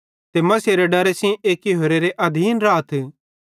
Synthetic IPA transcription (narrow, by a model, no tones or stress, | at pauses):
t̪emɐseɾeɖɐɾesĩʔeːkiɦoːɾeɾeʔɐd̪ʱiːnɾaːt̪ʰ